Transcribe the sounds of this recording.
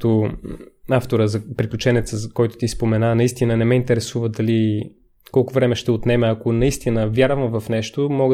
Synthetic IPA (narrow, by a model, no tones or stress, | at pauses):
t̪o | aft̪oɾəzɐpɾiklʲut͡ʃɛnɛt̪səzkɔjt̪ʊ̥t̪ispomɛnanɐist̪inənɛmɛint̪ɛɾɛsuvəd̪ɐli | kɔlˠkʊvɾɛmɛʃt̪ɛot̪nɛmɛɐkonɐist̪inəvʲjaɾvəmvɐfnɛʃt̪omɔɡ